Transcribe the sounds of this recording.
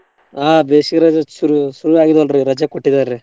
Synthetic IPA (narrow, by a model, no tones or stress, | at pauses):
aːbeːʃikɾɐd͡ʒɐsuɾusuɾuaːɡid̪ɐlɾiɾɐd͡ʒɐkoʈːid̪aːɾe